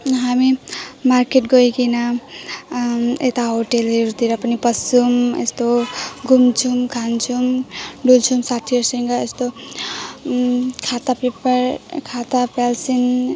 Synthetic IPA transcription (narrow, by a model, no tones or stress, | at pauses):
ɦamimaɾkeʈɡojkina | et̪aɦoʈeleɾut̪iɾʌpʌnipʌsumḛst̪oɡumt͡ʃʰumkʰant͡ʃʰumɖult͡sʰumsat̪ʰiʌɾsəŋɡaest̪o | kʰat̪apepɾkʰat̪apalsin